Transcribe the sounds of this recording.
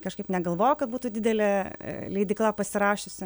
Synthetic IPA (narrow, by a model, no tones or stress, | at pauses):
kɐʃkɐɪpnʲɛɡɐlˠʋoːjokɐt̪̚buːt̪ud̪ʲɪd̪ʲɛlʲɛ̰lʲɛɪd̪ʲɪklˠɑpɐsʲɪɾɑːʃʲʊsʲɪ